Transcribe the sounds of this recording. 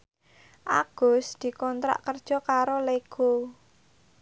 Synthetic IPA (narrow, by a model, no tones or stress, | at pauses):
ʔa̰ɡ̥ʊ̤sd̪̥i̤kɔnt̪ɾa̰ʔkərd̥ʒ̥ɔ̤kaɾoleɡ̥o